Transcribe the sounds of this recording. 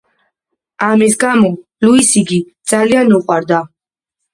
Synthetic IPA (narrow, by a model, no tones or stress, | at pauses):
amisɡamɔ | luisiɡid̪̥z̥alianuqʼwaɾd̪a